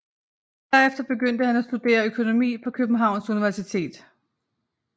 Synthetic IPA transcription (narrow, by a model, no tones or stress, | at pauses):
d̥æɐ̰efd̥ɐb̥e̝ɡøn̰d̥əhænæsd̥ud̥e̝̰ːɐøkʰo̝no̝mḭːpʰɒ̽kʰøb̥n̩ɦɑ̈ʊ̰nsuniʋæɐsit͡sʰe̝̰ːd̥